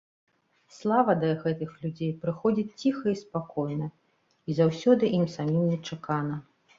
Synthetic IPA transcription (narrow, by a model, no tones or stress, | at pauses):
slˠavɐd̪ɐɣɛt̪ɨxlʲud͡zʲejpɾɨxɔd͡zʲit͡sʲt͡sʲixɐispakɔjnɐ | izawsʲɔd̪ɨʔimsamʲimnʲɛt͡ʂakanɐ